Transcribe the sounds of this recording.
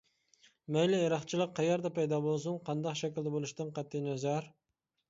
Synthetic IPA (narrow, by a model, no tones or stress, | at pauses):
mɛjlɪeɾɑχt͡ʃʰilˠəq̚ʰːɑjɑɾd̪ɛpɛjd̪ɑːbolˠs̬uŋqʰɑnd̪ɑqʃɛkʲild̪ɛbolˠuʃt̪ɨnqɑt̪ʰːɨnɛzæɾ